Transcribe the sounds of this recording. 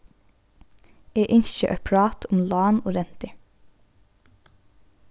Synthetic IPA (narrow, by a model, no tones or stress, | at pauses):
eːʔɪnʃəʔœpʰɽɑːt̪ʰʊmlɑːnoːɾɛnt̪ə